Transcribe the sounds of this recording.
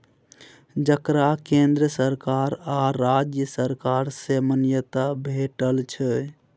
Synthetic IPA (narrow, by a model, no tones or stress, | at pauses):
d͡ʒəkɾakẽnd̪ɾəsəɾkaɾaɾad͡ʒjəsəɾkaɾsemənjət̪abʱeʈəlt͡ʃʰə